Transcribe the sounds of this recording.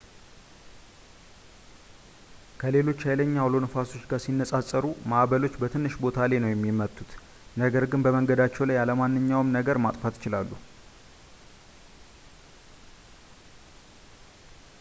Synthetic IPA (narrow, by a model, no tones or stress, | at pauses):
kʰəle̞lo̞t͡ʃːhajləɲːawlo̞nəfaso̞t͡ʃːɡaɾsinːəsʼasʼəɾumaʔβəlo̞t͡ʃːbət̪ʰɨnːɨʃbo̞t̪ʰalenəwjɛmːimət̪ʼʰːut̪ | nəɡəɾɡɨnbəməŋɡəd̪at͡ʃːɛwlajaləmanːɨɲːawɨmnəɡəɾmat̪ʼfat̪ɪt͡ʃɪlalːu